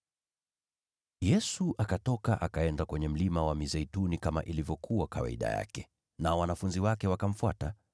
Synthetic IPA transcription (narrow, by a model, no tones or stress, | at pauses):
jɛsuʔakatɔkaʔakaɛndakwɛɲɛm̩limawamizɛitunikama̰ʔilivjɔkuwakawa̰iɗa̰ja̰kɛ | naɔwanafunziwakɛwakam̩fuata